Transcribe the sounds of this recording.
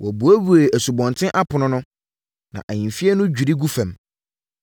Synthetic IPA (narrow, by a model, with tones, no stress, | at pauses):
wɔ˨bu˨æ˦bu˨e˨æ˨su˨bɔ̃˨ntʰɪ̃˦ʔa˦pʰʊ˨nʊ̃˦nʊ̃˦ | nã̰˨ʔa˨ɲĩ˨nfi˦ɛ˦nʊ̃˦d͡ʑᶣu˨ɾi˦ɡu˦fæ̃˨m